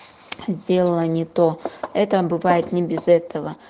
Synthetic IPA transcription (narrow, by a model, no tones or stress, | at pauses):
zʲdʲe̞lˠəlˠənʲɪt̪oɛt̪əbɨvajɪt̪nʲɪbʲɪzɛt̪ʰəvə